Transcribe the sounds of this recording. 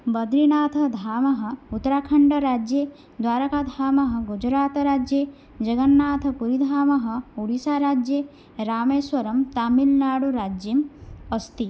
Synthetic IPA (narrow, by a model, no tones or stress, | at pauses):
bɐd̪ɾinaːt̪ʰɐ̆d̪ʱaːmɐɦɐ̆ut̪ɾaːkʰɐɳɖɐɾaːd͡ʒjeː | d̪waːɾɐkaːd̪ʱaːmɐɦɐ̆ɡud͡ʒɾaːt̪ɐɾaːd͡ʒjeː | d͡ʒɐɡɐnːaːt̪ʰɐ̆puɾid̪ʱaːmɐɦɐ̆uɽisaːɾaːd͡ʒjeː | ɾaːmeːsʋɐɾɐmt̪aːmilnaːɽuɾaːd͡ʒjimɐst̪i